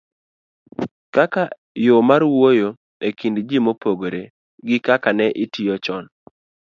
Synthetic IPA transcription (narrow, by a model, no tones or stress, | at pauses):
kaka | jomaɾwojo | ekindd͡ʒimopoɡoɾe | ɡɪkakanɛʔɪtijɔt͡ʃɔn